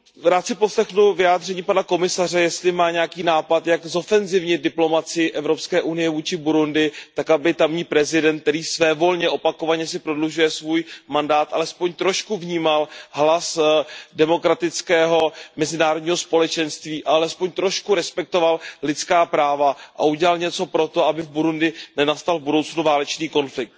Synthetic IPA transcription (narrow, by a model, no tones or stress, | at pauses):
ɾaːt̪sɪposlɛxnuvɪjaːd̪r̝ɛɲiːpanako̞mɪsar̝ɛjɛst̪lɪmaːɲɛjakiːnaːpat̪jaɡzo̞fɛnzɪvɲɪdɪplo̞mat͡sɪjɪʔɛvɾo̞pskɛːʔunɪjɛvuːt͡ʃɪbuɾundɪt̪akabɪt̪amɲiːpɾɛzɪdɛnt̪̚t̪ːɛɾiːsvɛːvo̞lɲɛʔo̞pako̞vaɲɛsɪpɾo̞dluʒujɛsvuːjmandaːt̪ʔalɛspo̞ɲt̪ɾo̞ʃkuvɲiːmalɦlasdɛmo̞kɾat̪ɪt͡skɛːɦo̞mɛzɪnaːɾodɲiːɦo̞spo̞lɛt͡ʃɛnst̪viːʔaalɛspo̞ɲt̪ɾo̞ʃkuɾɛspɛk̚t̪o̞vallɪt͡skaːpɾaːvaʔa̰uɟɛlalɲɛt͡so̞pɾo̞t̪o̞abɪvbuɾundɪnɛnast̪alvbudo̞wt͡snuvaːlɛt͡ʃniːko̞nflɪk̚t̪